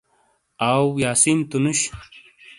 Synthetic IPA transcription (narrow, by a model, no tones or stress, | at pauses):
awjaːsint̪unuɕ